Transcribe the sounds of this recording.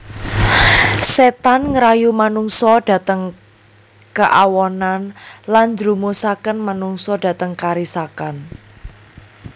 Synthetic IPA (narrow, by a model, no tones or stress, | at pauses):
set̪anŋəɾajumanuŋsɔd̥a̤t̪əŋ | kəʔawɔnanland͡ʒɾumosakənmanuŋsɔd̥ä̤t̪əŋkaɾisakan